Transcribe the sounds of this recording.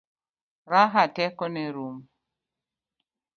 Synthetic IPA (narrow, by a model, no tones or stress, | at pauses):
ɾaɦatɛkɔneɾum